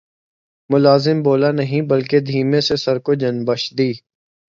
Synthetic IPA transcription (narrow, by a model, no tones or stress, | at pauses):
mʊlaːzɪmboːlanəɦĩbəlked̪ʱiːmẽsesɐɾkod͡ʒənbəʃd̪iː